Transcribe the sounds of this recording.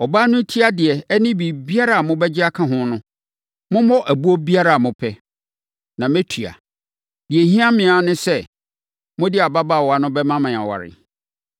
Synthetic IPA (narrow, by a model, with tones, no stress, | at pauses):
ɔ˨baː˦nʊ̃˦tʰi˦a˦dɪ˨ɛ˨ɛ˦nɪ̃˦bi˨bi˦a˦ɾa˦˨a˨mʊ̃˦bɛ˦d͡ʑɪ˦a˦kʰã˦ɦʊ̃˦nʊ̃˦ | mʊ̃˦mɔ˦ʔæ˨bu˦ɔ˦bi˦a˦ɾa˨a˨mʊ̃˨pʰɛ˦ | nã˨mæ˦tʰu˨a̰˨ | di˨e˨ɦĩ˦a˦mɪ̃˨a˨nʊ̃˦sɛ˦ | mʊ̃˦dɪ˦a˨ba˦ba˦˨wɔ˨˦a˨nʊ̃˦bɛ˦mã˦mã˨a̰˨wa̰˨ɾɪ̰˨